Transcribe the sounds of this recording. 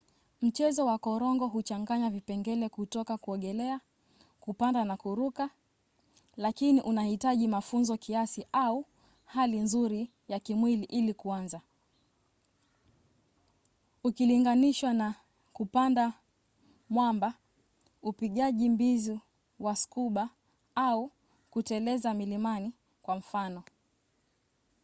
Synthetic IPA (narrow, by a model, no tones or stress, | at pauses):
m̩t͡ʃɛzɔwakɔɾɔŋɡɔɦut͡ʃaŋɡaɲavipɛŋɡɛlɛkutɔkakuɔɠɛlɛa | kupandanakuɾuka | lakiniʔunahitaʄimafunzɔkiasiʔau | halinzuɾi | jakimwiliʔilikuanza | ukiliŋɡaniʃwana | kupanda | mwamba | upiɠaʄimbizi | waskuɓa | au | kutɛlɛzamilimani | kwam̩fanɔ